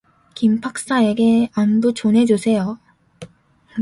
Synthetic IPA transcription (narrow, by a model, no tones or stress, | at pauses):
kimpʰak̚s͈ae̞ɡe̞amdot͡ɕonɦe̞d͡ʑusʰe̞jo